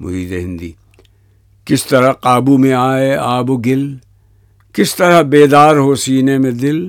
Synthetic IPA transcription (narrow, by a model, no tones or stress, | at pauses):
mʊ̰ɾiːd̪eɦɪ̃nd̪iː | kɪst̪ɐɾaqaːbumẽaːeaːboɡɪl | kɪst̪ɐɾəbeːd̪aːɾɦosiːnemẽd̪ɪl